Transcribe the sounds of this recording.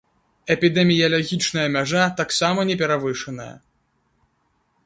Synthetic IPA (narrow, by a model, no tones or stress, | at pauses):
ɛpʲid̪ɛmʲijɐlʲaɣʲit͡ʂnɐjɐmʲaʐat̪aksamɐnʲɛpʲɛɾavɨʂɨnɐjɐ̰